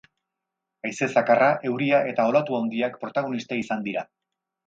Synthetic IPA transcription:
ajse̞sakaraʔe̞wɾiaʔe̞t̪ao̞lat̪uawnd̪iakpɾo̞t̪aɣ̞o̞nist̪aisand̪iɾa

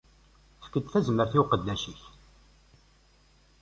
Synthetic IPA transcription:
fə̥kːəd̪θæzməɾθiwqəd̪ːæʃiç

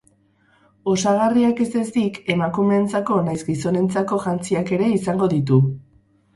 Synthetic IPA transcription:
o̞saɣ̞ariake̞zt̪e̞st̪ike̞makume̞ːnt͡sako̞najzɡiso̞ne̞nt͡sako̞ʝant͡siake̞ɾe̞isaŋɡo̞ðit̪̬u

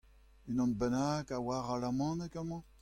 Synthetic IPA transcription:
ynɔ̃nbɛnakawaʁalamɑ̃nekamɑ̃

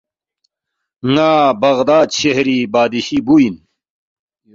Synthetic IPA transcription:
ŋaːbɐɣd̪aːd̪ɕeɦɾibaːd̪iɕibuin

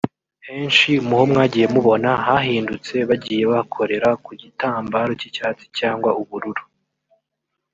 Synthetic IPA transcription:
he̞ːnʃiumuho̞mŋaːɟiːje̞muβo̞nahaɦiːndut͡se̞βaɟiːje̞βakʰo̞ɾe̞ɾakuɟitaːmbaɾocicaːt͡si̥caːŋɡwaʔuβuɾuɾu

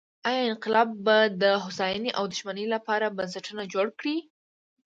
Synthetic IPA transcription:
ɑjɑɪnqɪlɑbːad̪əɦʊsɑjəneʔawd̪ʊʃmanəjlapɑɾabansəʈənad͡ʒoɽkɽi

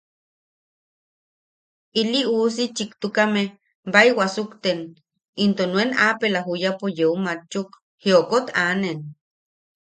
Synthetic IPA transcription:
ilius̬it͡ʃikt̪ukame | bajwasukt̪en | int̪onwenapelaɦujapojeumat͡ʃːuk | hiokot̪anen

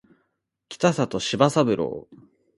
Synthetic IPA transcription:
kʲi̥t̪asat̪o̞ɕibasabɯ̟ɾʔo̰ː

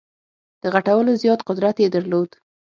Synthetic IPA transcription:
d̪̥əɣaʈawəlozjɑt̪qʊd̪ɾat̪jed̪əɾlod̪

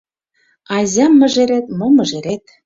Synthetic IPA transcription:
ɑzʲɑmːə̆ʒeɾet̪momɤ̆ʒeɾet̪̚

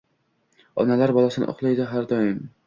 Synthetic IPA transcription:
ɒ̰nalaɾbɒlˠasɪnɪ̰ʔo̰χlˠajd̪aɦaɾd̪ɒjɪm

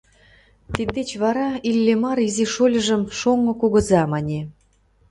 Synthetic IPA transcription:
t̪id̪d̪et͡ɕβɑɾɑilʲːemɑɾiziʃolʲə̆ʒə̆mʃoŋːŏkuɣɤ̆zɑmɑnʲe

